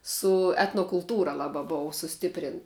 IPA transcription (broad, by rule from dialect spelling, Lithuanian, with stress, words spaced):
sʊ ɛtnoːkʊlˠˈtuːrɐ ˈlˠɑːbɐ ˈboːʊ sʊˈsʲtʲɪpʲrʲɪnt